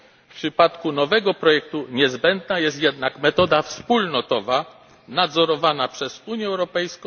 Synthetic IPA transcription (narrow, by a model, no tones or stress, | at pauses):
fpʂɘpat̪kunɔvɛɡɔpɾɔjɛk̚t̪uɲɛzbɛnd̪najɛst̪jɛd̪nakmɛt̪ɔd̪afspulnɔt̪ɔva | nad̪zɔɾɔvanapʂɛzuɲjɛɛwɾɔpɛjskɔ̃